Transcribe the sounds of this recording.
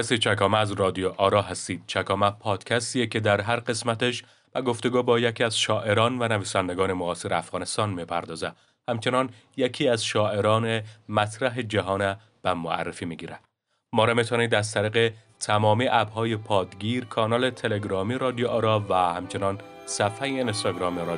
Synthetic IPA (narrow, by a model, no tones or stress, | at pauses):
æsit͡ʃʰækɒːmæːzrɒːd̪ioʔɒːɾɒːɦæst̪iːd̪̥̚t͡ʃʰækʰɒːmæpʰɒːd̪̥cʰæst̪ijecʰe̞d̪æɾɦæɾɢe̞smæt̪eʃ | bæɡo̞ft̪o̞ɡuːbɒːjecʰiːæzʃɒːʔe̞ɾɒːnvænæviːsænd̪eɡɒːnemoɒːseɾeæfɣɒːne̞st̪ɒːnmipʰæɾd̪ɒːzæ | hæmt͡ʃʰe̞nɒn | jecʰiːæzʃɒːʔe̞ɾɒːnemæt̪ʰɾæɦed͡ʒæɦɒːnæ | b̥æmoæ̰rːefiːmiɟiːɾæd̪̥ | mɒːɾɒmet̪ʰonid̪æzt̪ʰæɾiːɣe | t̪ʰæmɒːmiːʔæbɦɒːjepʰɒːd̪ɡiːɾkʰɒːnɒːlet̪ʰe̞leɡɾɒːmiɾɒːd̪ioʔɒːɾɒːvæhæmt͡ʃʰe̞nɒːn | sæfæjeinst̪ɒɡɾɒːmeɾ